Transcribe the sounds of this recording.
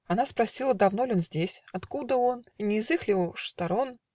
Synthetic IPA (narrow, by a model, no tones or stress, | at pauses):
anaspɾasʲilˠɐd̪awnɔlʲɔnzʲd͡zʲesʲat̪kud̪ɐɔnnʲizɨxlʲiwʂt̪aɾɔn